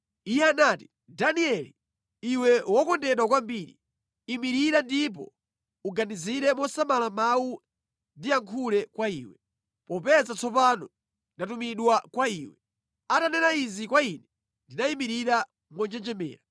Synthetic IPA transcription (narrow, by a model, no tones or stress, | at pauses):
ijɛanaːti̥ | daniɛli | iwɛwɔkɔndɛɗwakwambiɾḭ | imiɾiɾandip̬ɔ̰ | uɡaniziɾɛmwɔsamalamawu | ndiaŋkʰulɛkwaḭːwɛ | pɔpɛzat͡sɔpanɔ | ndatumiɗwakwaiːwɛ | atanɛnaizikwainɛ | ndinaimiɾiɾa | mwɔnd͡ʒɛnd͡ʒɛmɛ̰ːɾa